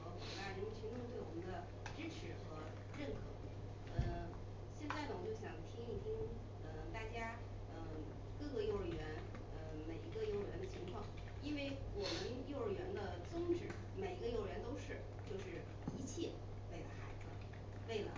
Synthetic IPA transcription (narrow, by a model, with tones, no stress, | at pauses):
ə˧˥kɑ˨˩t̪a˥˩ɻə˧˥˩t͡ɕʰy˧˥ŋʈ͡ʂʰŋt̪we˥˩ɪwɔ˨˩mə˧˦nd̪ə˧ | ʈ͡ʂɻ̩˥ʈ͡ʂʰɻ̩˧˥xɤ˧˥ | ɻə˥˩nkʰɤ˧˥˧ | ə˥˧˩ | ɕjɛ˥˧nt͡sa˥˩ɪd̪ə˨wɔ˨˩˦t͡ɕjo˥˩ʊɕjɑ˨˩ŋt̪ʰi˥ŋi˥˩ŋt̪ʰi˥ŋ | ə˧t̪a˥˩t͡ɕja˥ | ə˧˩ | kɤ˥˩kɤ˥˧jo˥˧ʊɻə˥˧˩ɥɛ˧˥n | ə˧me˨˩ɪi˧˥ɡə˧jo˥˩ʊ˧˥˧ɥɛ˧˥nd̪ə˧t͡ɕʰi˧˥ŋkʰwɑ˥˩ŋ | i˥nwe˥˩ɪwɔ˨˩mə˧˦njo˥˩ʊɻə˥˩ɥɛ˧˥nd̪ə˧t͡sʊ˥ŋʈ͡ʂɻ̩˧˩˥ | me˨˩ɪi˧˥ɡə˧jo˥˩ʊɻɥɛ˧˥nt̪o˥ʊʂɻ̩˥˩ | t͡ɕjo˥˧ʊʂɻ̩˥˩ | i˧˥t͡ɕʰjɛ˥˩ | we˥˩ɪlə˩xa˧˥ɪd͡zɹ̩˧ | we˥˩ɪlə̰˩